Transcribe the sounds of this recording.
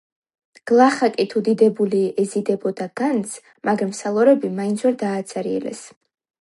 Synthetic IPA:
ɡ̥lˠaχakʼit̪ʰud̪id̪ɛbuliɛzid̪ɛbɔd̪aɡ̥ant̪sʰ | maɡɾamsalˠɔɾɛbimaint̪sʰwɛɾd̪aːt̪sʼɛɾiɛ̰lɛ̰s

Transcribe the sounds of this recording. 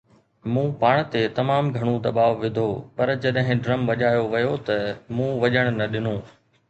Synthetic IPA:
mũːpaːɽ̃t̪et̪ɐmaːmɡʱɐɽ̃od̪ɐɓaːʋʋɪd̪ʱoːpɐɾd͡ʑɐɗɦɪ̃ɖɾɐmʋɐʄaːjoʋɐjot̪ɐmũːʋɐʄəɽ̃nɐɗɪnõː

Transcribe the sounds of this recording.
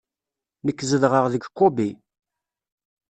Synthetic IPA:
məkːzəðʁəʁðəɡkːobi

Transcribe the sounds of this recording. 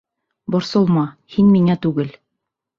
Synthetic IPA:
bŏɾsŏlˠmɑhinmiŋæt̪ʉɡɘl

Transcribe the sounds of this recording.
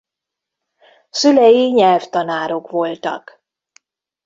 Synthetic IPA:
sylɛjiɲɛlft̪ɒnaːɾo̞kʋo̞lt̪ɒ̰k

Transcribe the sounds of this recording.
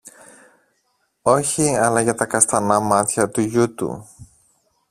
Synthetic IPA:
o̞çiɐlɐʝɐt̪ɐkɐst̪ɐnɐmɐt̪çɐt̪uʝut̪ṵ

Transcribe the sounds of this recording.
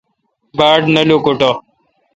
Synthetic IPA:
baːɖnɐljoːkoʈo

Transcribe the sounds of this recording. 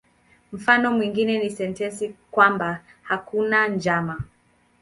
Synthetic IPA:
m̩fanɔmwiŋɡinɛnisɛntɛnsikwambahakunand͡ʒama

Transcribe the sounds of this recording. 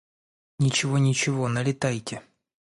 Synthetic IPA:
nʲɪt͡ɕɪvonʲɪt͡ɕɪvonɐlʲɪt̪ajtʲɪ

